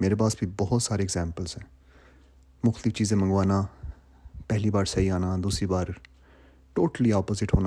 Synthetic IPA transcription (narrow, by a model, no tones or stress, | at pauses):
meːɾeːpaːsbʱibɔɦt̪saːɾeːɡzɛ̃ːmpəlzɦɛ̃ː | mʊxt̪lɪft͡ʃiːzẽːmə̃ŋɡʋaːnaː | pɛɦliːbaːɾsəiːaːnaːd̪uːsɾiːbaːɾ | ʈoːʈəliːaːpoːzɪʈɦoːna